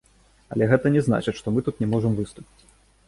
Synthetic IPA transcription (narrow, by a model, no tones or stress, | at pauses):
ɐ̰lʲɛɣɛt̪ɐnʲɛzna̰t͡ʂɨʂt̪ɔmɨt̪ut̪nʲɛmɔʐɐmvɨst̪upʲi̥t͡sʲ